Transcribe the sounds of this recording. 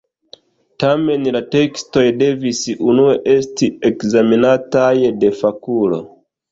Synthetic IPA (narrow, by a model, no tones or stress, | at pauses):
tame̞nlate̞ksto̞jde̞visʔunueʔe̞stiekzaminatajde̞fakulo̰